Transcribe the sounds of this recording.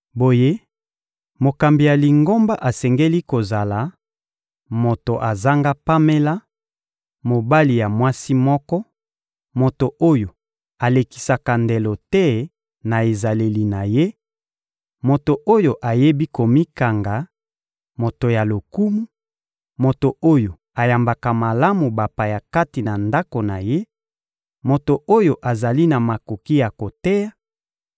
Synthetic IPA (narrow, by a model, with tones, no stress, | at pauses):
bo˨je˦ | mo˨ka˨mbi˨ja˨li˨ŋɡo˦mba˦ʔa˨sɛ˨ŋɡe˦li˦ko˨za˨la˨ | mo˨to˨ʔa˨za˦ŋɡa˦pa˦me˦la˦ | mo˨ba˦li˨ja˨mwa˦si˦mɔ˦kɔ˦ | mo˨to˨ʔo˦jo˨ | a˨le˨ki̥˨sa˨ka˨nde˨lo˨tɛ˦ | na˨e˨za˨le˨li˨na˨je˦ | mo˨to˨ʔo˦jo˨ʔa˨je˦bi˦ko˨mi˦ka˨ŋɡa˨ | mo˨to˨ja˨lo˨ku˦mu˦ | mo˨to˨o˦jo˨ | a˨ja˨mba˨ka˨ma˨la˦mu˨ba˨pa˨ja˨ka˦ti˨na˨nda˦ko˨na˨je˦ | mo˨to˨o˦jo˨ʔa˨za˨li˦na˨ma˨ko˨ki˦ja˨ko˨tɛ˦ja˦